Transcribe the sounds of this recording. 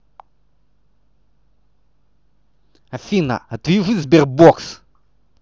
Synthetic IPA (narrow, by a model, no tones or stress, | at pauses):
ɐfʲinɐ̰ɐt̪vʲiʐɨzʲbʲɛr̚boks